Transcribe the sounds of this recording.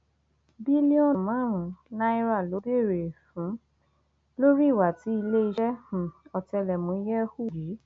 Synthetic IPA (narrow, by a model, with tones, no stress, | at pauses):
bi˦li˦ɔ̃˦˨mã˨˦˨ɾ̃ũ˨nã˦i˦ɾa˦˨lo˨˦be˦˨ɾe˨fũ˨˦ | lo˦ɾi˦˨wa˨ti˨˦i˧le˦i˧ʃɛ˦h̩˨ɔ˨tɛ˧lɛ˨mũ˨˦i˧˦jɛ˦hu˦˨d͡ʒi˨˦